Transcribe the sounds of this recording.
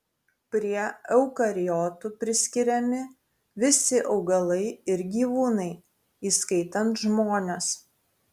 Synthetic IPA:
pʲɾʲiɛɛʊkɐɾʲɪjɔːt̪uːpʲɾʲɪsʲkʲɪɾʲɛmʲɪ | ʋʲɪsʲɪʔɒʊɡɐlˠɐɪɪɾɡʲiːʋuːnɐɪ | iːskɐɪt̪ɐnt̪ʒmoːnʲes

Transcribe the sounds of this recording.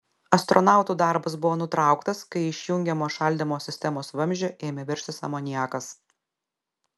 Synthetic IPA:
ɐst̪ɾɔnɑˑʊt̪uːd̪ɑˑɾbɐs̬bʊʋoːnʊt̪ɾɑˑʊkt̪ɐskɐɪɪʃʲjʊŋʲɡʲɛmoːʃɐˑlʲd̪ʲɪmoːsʲɪsʲt̪ʲɛmoːsʋɐmʲʒʲɛʔeːmʲɛʋʲɛɾʲʃʲt̪ʲɪsɑ̰ːmoːnʲiɛkɐs

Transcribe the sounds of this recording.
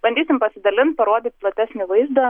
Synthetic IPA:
b̥ɐnʲd̪ʲiːsʲɪmpɐsʲɪd̪ɐlʲɪnt̪̚pɐɾoɔd̪ʲiːt̪̚ʲplˠɐt̪ʲæːsʲnʲɪʋɐɪzd̪oː

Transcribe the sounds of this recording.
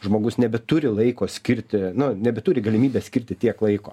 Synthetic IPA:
ʒmoːɡʊsnʲɛbʲɛt̪ʊɾʲɪlˠɐɪkoːsʲkʲɪɾʲt̪ʲɪnʊnʲɛbʲɛt̪uːɾʲɪɡɐlʲɪmʲiːbʲeːsʲkʲɪɾʲt̪ʲɪt̪ʲiɛklˠɐɪkoː

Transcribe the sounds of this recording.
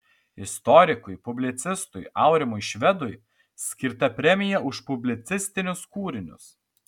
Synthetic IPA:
ɪst̪ɔɾʲɪkʊjpʊbʲlʲɪt̪sʲɪst̪ʊjɑˑʊɾʲɪmʊjʃʲʋʲɛd̪ʊj | sʲkʲɪɾt̪ɐpʲɾʲɛmʲɪjɛʔʊʃpʊbʲlʲɪt̪sʲɪsʲt̪ʲɪnʲʊskuːɾʲɪnʲʊ̰s

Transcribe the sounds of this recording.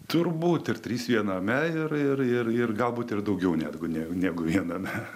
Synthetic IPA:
t̪ʊrbuːt̪ɪrt̪ʲɾʲiːsʋʲiɛnɐːmʲɛɪrɪrɪrɪrɡɐlˠbuːt̪ɪrd̪ɐʊɡʲɛʊnʲæ̰ːd̪ɡʊnʲæːnʲæːɡʊʋʲiɛnɐːmʲɛ

